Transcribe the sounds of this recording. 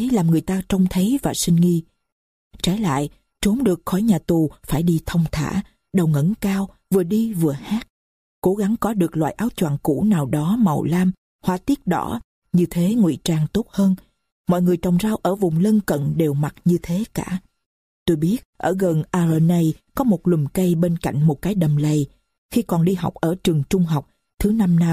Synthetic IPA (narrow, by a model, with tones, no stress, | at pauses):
laː˨˩mŋɨ˨˩əjt̪aː˧t͡ɕə˧wŋ͡mt̪ʰə˨˦vaː˨˩sï˧ŋ̟ŋi˧ | t͡ɕa˧˩la̰ː˧˨j | t͡ɕo˨˦mɗɨ˨˩ək̚xɔ˧˩jɲaː˨˩t̪u˨˩faː˧˩jɗi˧t̪ʰə˧wŋ͡mt̪ʰa̰ː˧˩ | ɗə˨˩wŋə̰˧˥nkaː˧wvɨ˨˩əɗi˧vɨ˨˩əhaː˦˥t̚ | ko˧˥ɣa˨˦ŋkɔ˨˦ɗɨ˨˩ək̚lwa̰ː˧˨jʔaː˨˦wt͡ɕwa̰ː˨˩ŋkṵ˧˩naː˨˩wɗɔ˨˦ma˨˩wlaː˧m | hwaː˧˩t̪i˦˥ət̚ɗɔ̰˧˩˦ | ɲɨ˧t̪ʰe˨˦ŋwḭ˧˨t͡ɕaː˧ŋt̪o˦˥t̚həː˧n | mɔ̰˧˨jŋɨ˨˩əjt͡ɕɔ˨˩wŋ͡mzaː˧wʔəː˧˩vʊ˨˩ŋ͡mlə˧nkə̰˧˨nɗe˨˩wma˨˩t̚ɲɨ˧t̪ʰe˨˦kaː˧˩ | t̪o˧jɓi˦˥ət̚ʔəː˧˩ɣə˨˩nʔaː˧zəː˧na˨˧˩jkɔ˨˦mo˨˩t̚lɨ˨˩mkə˧jɓe˧nka̰˧˩jŋ̟mo˨˩t̚kaː˨˦jɗə˨˩mlə˨˩j | xi˧kɔ˨˩nɗi˧ɦa˨˩wk͡p̚ʔəː˧˩t͡ɕɨ˨˩əŋt͡ɕʊ˧ŋ͡mɦɔ˨˩wk͡p̚ | t̪ʰɨ˨˦na˧mna˧